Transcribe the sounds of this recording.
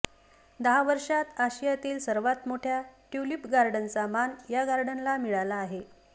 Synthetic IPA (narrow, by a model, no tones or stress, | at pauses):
d̪əɦaʋəɾʂat̪aɕijat̪iːlsəɾʋat̪moʈʰjaʈjulipɡaɾɖənsamanjaɡaɾɖənlamiɭalaːɦe